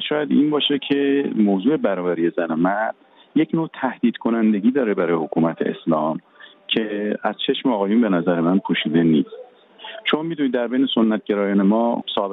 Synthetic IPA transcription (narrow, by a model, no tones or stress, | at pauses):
ʃɒːjæd̪iːnbɒːʃecʰe̞moːzuːe̞bæɾɒːvæɾiːje̞zænomæɾɾd̪̥ | jecʰnoːt̪ʰæhd̪̥iːd̪̥kʰonænd̪e̞ɡʲiːd̪ɒːɾebæɾɒːjehokʰuːmæt̪ʰḛḛslɒːm | cʰe̞æz̥t͡ʃʰe̞ʃmeɒːɣɒːjunbe̞næzæɾemænpʰoʃiːd̪e̞niːst̪ | ʃomɑmid̪uniːd̪d̪æɾbejneso̞nːæt̪̚ɟeɾɒːjɒːne̞mɒːsɒːbe